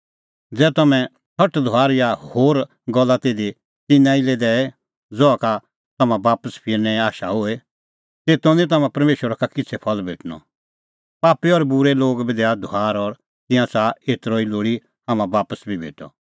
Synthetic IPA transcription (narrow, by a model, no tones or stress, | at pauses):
d͡zɛːt̪ɐmɛ̃ | tʰɐʈd̪ʱoaːɾjahoːɾ | ɡɔlːat̪eːd̪i | t̪ɪnːãiled̪ɛːɛ | d͡zɔaka | t̪ɐmãbaːpəspʰɪɾnɛ̃aːʃaɦʊe | t̪eːt̪õnĩt̪ɐmãpɐɾmeːʃwəɾakakɪt͡sʰɛpʰɐlbʱḛːʈʰnɔ̰ | paːpiɔɾbʊɾeloːɡbid̪ɛːad̪ʱʊaːɾɔɾ | t̪ɪ̃jãsaeːt̪ɾoːiloːɽi | haːmãbaːpəsbʱibʱḛːʈɔ̰